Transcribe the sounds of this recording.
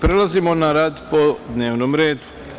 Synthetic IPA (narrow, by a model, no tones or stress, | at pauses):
pɾelazimo̞naɾad̪po̞d̪ne̞ːʋnomɾeːd̪u̥